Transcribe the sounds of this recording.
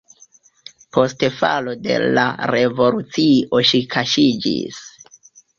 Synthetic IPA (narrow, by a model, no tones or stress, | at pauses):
po̞stefa̰lo̞de̞̰la̰ɾe̞vo̞lut͡sio̞ʃikʰaʃid͡ʒḭs